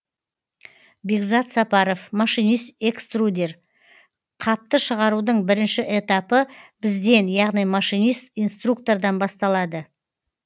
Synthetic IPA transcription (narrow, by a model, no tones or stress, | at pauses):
beɡzɑt̪sɑpɑɾo̞fmɑʃijnijst̪ekst̪rud̪ʲe̞r | qʰɑp̚t̪əʃəʁɑɾud̪əɴbɪɾɪnʃɪʔe̞t̪apəbɪzd̪e̞njɑʁnijmɑʃijnijst̪ijnst̪ruk̚t̪o̞rd̪ɑnbɑst̪ɑlˠɑd̪ə